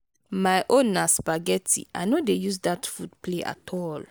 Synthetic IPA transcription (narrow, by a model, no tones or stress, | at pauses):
majʔõnːasbaɡɛtʰḭʔa̰jnodejuzdatfudpʰleʔa̰tʰɔl